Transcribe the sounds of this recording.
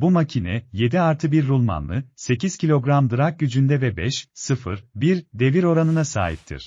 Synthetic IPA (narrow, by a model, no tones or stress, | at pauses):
bumacʰinɛ̰je̞d̪iaɾt̪ʰɯbiɾːulˠma̰nlˠɯ̰se̞ciz̥cʰilʲo̞ɡɾamd̪ɯɾak̚ɟyd͡ʒynd̪ɛvɛbɛʃsɯfɯ̰ɾbiɾd̪e̞viɾo̞ɾanɯnasa̰ːɦḭp̚t̪ʰḭɾ̥